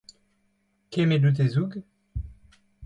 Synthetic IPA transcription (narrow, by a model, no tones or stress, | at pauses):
kemed̪ut̪̬ezuɡ